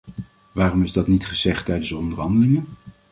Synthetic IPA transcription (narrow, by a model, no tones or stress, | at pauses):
ʋaːrɔmɪzdɑtnitχəzɛχtɛjdənsdəɔndərɦɑndəlɪŋən